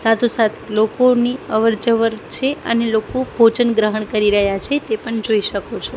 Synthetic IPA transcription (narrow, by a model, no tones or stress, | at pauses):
sat̪ʰosat̪ʰlokoniəʋəɾd͡ʒəʋəɾt͡ʃʰeə̰nelokobʱot͡ʃənɡɾəɦəɳkəɾiɾəɦjat͡ʃʰet̪epəɳd͡ʒoiʃəkot͡ʃʰo